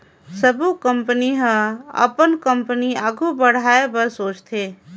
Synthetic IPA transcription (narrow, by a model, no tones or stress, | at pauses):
səbukəmpəniɦə̃ə̰pənkə̃mpəniaːɡʱubəɽ̤aːebəɾsoːt͡ʃt̪ʰeː